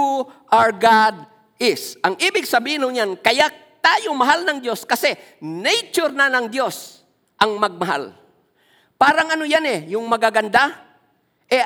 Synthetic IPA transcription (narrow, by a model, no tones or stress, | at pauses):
uʔaɹɡad̪̚ | ʔɪsʔɐŋʔiːbɪɡ̚sɐbiːhɪnhoɲjankɐja | t̪aːjomɐɦalnɐŋd̪jo̞skɐsɛ | nɛjt͡ʃoɾnanɐŋd̪jo̞s | ʔɐŋmɐɡ̚mɐɦa̰l | paːɾɐŋɐnojanɛjʊŋmɐɡaɡɐnd̪a | ʔɛ